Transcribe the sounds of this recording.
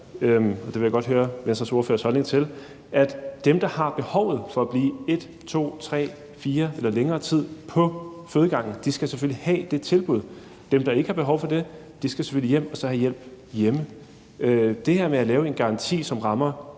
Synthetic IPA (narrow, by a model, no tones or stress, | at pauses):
ɒ̽d̥eʋe̝jaɡɒ̽d̥ɦøːɐʋensɐso̝ɐfø̰ːɐshɒ̽lne̝ŋt͡sʰe̝l | ʔæd̥d̥emd̥ɑ̈hɑ̈b̥e̝hɒ̽ʊð̞̩ˠfɒ̽æb̥liːe̝d̥ | t͡sʰo̝̰ːt͡sʰʁɛ̰ː | fiːɐelɐleŋɐːt͡sʰið̰ˠpʰɒ̽føːðˠɡ̥ɑ̈ŋ̰n̩d̥isɡ̥æsefølihɛ̰ːd̥e̝t͡sʰe̝lb̥uð̞̰ˠ | d̥emd̥ɑ̈e̝ɡ̥əhɑ̈b̥e̝ɦɒʊfɒ̽de̝ | d̥isɡ̥æse̥føl̰ijem̰ɒ̽sɒ̽hæjel̰b̥jemə | d̥e̝heɐ̰meælɛːʊe̝nɡ̥ɑ̈ʁɑ̈nt͡sʰḭːsɒ̽mʁɑ̈mɐ